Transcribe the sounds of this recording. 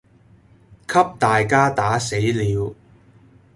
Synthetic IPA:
kʰɐ˥p̚t̪aː˨jkaː˥t̪aː˨˥se˨˥jliː˨˧w

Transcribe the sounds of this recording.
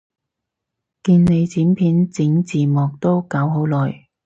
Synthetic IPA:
kiː˧nne˨˧jt͡siː˨˥mpʰiː˨˥nt͡sɪ˨˥ŋt͡siː˨mɔː˨k̚t̪o˥wkɐ˨˥wɦo˨˥wlɔː˨˩j

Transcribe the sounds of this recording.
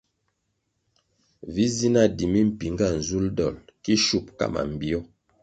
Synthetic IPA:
vi˦zi˦na˦˨di˨mi˦m̩˦˨pi˨ŋɡa˦˨n̩˨zu˦ldɔ̰˨lki˦ʃu˦˨p̚ka̰˦˨ma̰˨m̩˨bi˨ɔ˦

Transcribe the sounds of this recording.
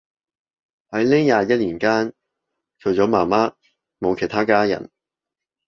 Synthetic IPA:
hɐ˨˥jlɪ˥ŋjaː˨˧jɐ˥t̚liː˨˩nkaː˥n | t͡ʃʰɵ˨˧ɥt͡sɔː˨˥maː˨˩maː˥ | mo˨˧wkʰe˨˩jt̪ʰaː˥kaː˥jɐ̰˨˩n

